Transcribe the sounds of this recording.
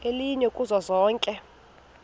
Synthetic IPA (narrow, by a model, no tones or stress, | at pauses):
eliɲɛkʼuzwazɔːŋkʼɛ